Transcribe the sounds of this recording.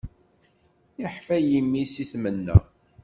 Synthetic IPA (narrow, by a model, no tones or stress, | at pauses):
ɪħfæjimːisiθmənːæ̰